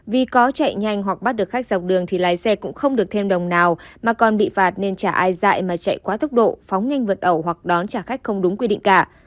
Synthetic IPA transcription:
vi˨˩kɔ˨˦t͡ɕa̰˧˨jɲa˧jŋ̟ɦwa˨˩k̚ɓa˦˥t̚ɗɨ˨˩ək̚xa˦˥k̚za˨˩wk͡p̚ɗɨ˨˩əŋt̪ʰi˨˩laː˨˦jsɛ˧kʊ̰˧˥ŋ͡mxə˧wŋ͡mɗɨ˨˩ək̚t̪ʰe˧mɗə˨˩wŋ͡mnaː˨˩wmaː˨˩kɔ˨˩nɓḭ˧˨faː˨˩t̚ne˧nt͡ɕaː˧˩ʔaː˧jza̰ː˧˨jmaː˨˩t͡ɕa̰˧˨jkwaː˨˦t̪ʰə˦˥wk͡p̚ɗo̰˧˨fɔ˨˦wŋ͡mɲa˧jŋ̟və˨˩t̚ʔə˧˩wɦwa˨˩k̚ɗɔ˨˦nt͡ɕaː˧˩xa˦˥k̟̚xə˧wŋ͡mɗʊ˨˦ŋ͡mkwi˧ɗḭ˧˨ŋ̟kaː˧˩

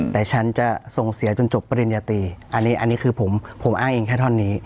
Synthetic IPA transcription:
t̪ɛː˨˩t͡ɕʰa˦˥nt͡ɕa˨˩so˨˩ŋsi˨˩˦t͡ɕo˧nt͡ɕo˨˩pːa˧ɾi˧njaː˧t̪iː˧ʔa˧nːiː˦˥ʔa˧nːiː˦˥kʰɯː˧pʰo˩˦mpʰo˩˦mʔaː˥˩ŋʔeː˧ŋkʰɛː˥˩t̪ʰɔ˥˩nːiː˦˥

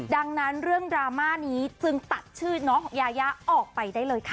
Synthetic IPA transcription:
da˧ŋna˦˥nɾɯ˥˩əŋdɾaː˧maː˥˩niː˦˥t͡ɕɯ˧ŋt̪a˨˩t̪̚t͡ɕʰɯː˥˩nɔː˦˥ŋjaː˧ja˦˥ʔɔː˨˩k̚pa˧jdaː˥˩jlɤː˧jkʰa˦˥˩

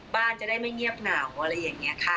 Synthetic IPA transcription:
baː˥˩nt͡ɕa˨˩daː˥˩jma˥˩jŋi˥˩əp̚naː˨˩˦wʔa˧ɾa˧jːaː˨˩ŋːi˦˥ɐkʰa˦˥˩

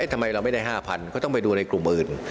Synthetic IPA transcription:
t̪ʰa˧ma˧jɾa˧wma˥˩jdaː˥˩ɦaː˥˩pʰa˧nkʰa˥˩t̪ɔ˥˩pa˧jduː˧na˧jklu˨˩mʔɯː˨˩n

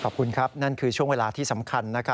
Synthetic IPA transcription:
kʰɔː˨˩p̚kʰu˧nkʰa˦˥p̚na˥˩nkʰɯː˧t͡ɕʰu˥˩əŋweː˧laː˧t̪ʰiː˥˩sa˩˦mkʰa˧nːa˦˥kʰa˦˥

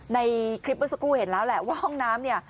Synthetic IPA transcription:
na˧jkʰɾi˦˥p̚ːə˦˥sa˧kuː˥˩he˩˦nlɛː˦˥wlɛ˨˩ʔwaː˥˩hɔ˥˩ŋnaː˦˥mni˥˩ɐ

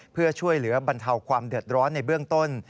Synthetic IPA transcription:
pʰɯ˥˩ɐt͡ɕʰu˥˩əjlɯ˩˦ɐba˧nt̪ʰa˧wkʰwaː˧mdɯ˨˩ət̪̚ɾɔː˦˥nːa˧jbɯ˥˩əŋt̪o˥˩n

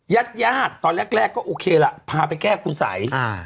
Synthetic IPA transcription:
ja˦˥˩t̪̚jaː˥˩t̪̚ːɔː˧nlɛ˦˥˩k̚lɛː˥˩kːɔː˥˩ʔoː˧kʰeː˧la˨˩ʔpʰaː˧p̬a˧jkɛː˥˩kʰu˧nsa̰˩˦ja˧˩

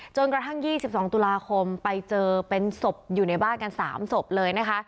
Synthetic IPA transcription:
t͡ɕo˧nkɾa˧t̪ʰa˥˩ŋjiː˥˩si˨˩p̚sɔː˩˦ŋt̪u˧laː˧kʰo˧mpa˧jt͡ɕɤː˧pe˧nso˨˩p̚juː˨˩na˧jbaː˥˩nka˧nsa̰ː˩˦mso˨˩p̚lɤː˧jna˦˥kʰa˦˥ʔ

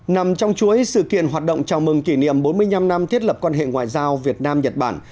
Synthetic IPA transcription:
na˨˩mt͡ɕɔ˧wŋ͡mt͡ɕu˨˦əjsɨ̰˧˨kḭ˧˨ənɦaː˨˩t̚ɗo̰˧˨wŋ͡mt͡ɕaː˨˩wmɨ˨˩ŋki˧˩nḭ˧˨əmɓo˨˦nmɨ˧əjɲa˧mna˧mt̪ʰi˦˥ət̚lə˨˩p̚kwaː˧nɦḛ˧˨ŋwa̰ː˧˨jzaː˧wvi˨˩ət̚naː˧mɲə˨˩t̚ɓaː˧˩n

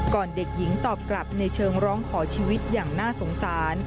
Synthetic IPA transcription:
kɔː˨˩nde˨˩k̚ji˩˦ŋt̪ɔː˨˩p̚kla˨˩p̚na˧jt͡ɕʰɤː˧ŋɾɔː˦˥ŋkʰɔː˩˦t͡ɕʰiː˧wi˦˥t̪̚jaː˨˩ŋnaː˥˩so˩˦ŋsaː˩˦˩n

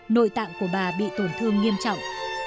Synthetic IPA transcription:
no̰˧˨jt̪a̰ː˧˨wku˧˩əɓaː˨˩ɓḭ˧˨t̪o˧˩nt̪ʰɨ˧əŋːi˧əmt͡ɕɔ̰˧˨wŋ͡m

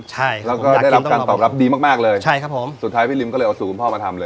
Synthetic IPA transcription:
t͡ɕʰa˥˩lɛː˦˥wkɔː˥˩da˥˩jɾa˦˧pkaː˧t̪ɔː˨˩p̚ɾa˦˥p̚diː˧ma˥˩k̚maː˥˩k̚lɤː˧jt͡ɕʰa˦˥˩jkʰa˦˥pʰo˩˦msu˨˩t̪ʰːaː˦˥jpʰiː˥˩li˧mkɔː˥˩˧ɤː˧jʔa˧suː˨˩ku˧npʰɔː˥˩maː˧t̪ʰa˧mlɤː˧j

